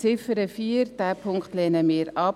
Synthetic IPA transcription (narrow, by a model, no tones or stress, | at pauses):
t͡sɪfəɾəfiːəɾd̥æːpʰʊŋkχt̪lɛnəmiːɾɑp